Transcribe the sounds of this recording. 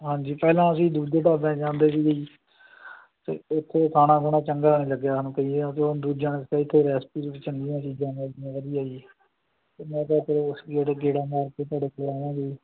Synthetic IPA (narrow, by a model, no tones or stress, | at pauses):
ɦãːɲd͡ʒiːpɛːlãːəsĩːd̪uːd͡ʒeʈaːd̪ẽːt͡ʃãːnd̪eːʋiːɡəiː | t̪ḛːʊt̪ʰːeːkʰaːnãːɡʊɳãːt͡ʃəŋɡaːnĩːləɡejaːnũːkəiːeãːt̪eːod̪uːd͡ʒãːnetãːɪt̪ʰːeːɾɛːspiːɾt͡ʃəŋnɡ̪iːjãːt͡ʃiːd͡ʒãːnẽːəd̪jãːʋəd̪iːaːiː | t̪eːmɛ̃ːt̪aːt̪əɾʊsd͡ʒeːɽeːɡeːɽãːmaːɾkeːt̪waːɽeːkeɾaːãːɡiː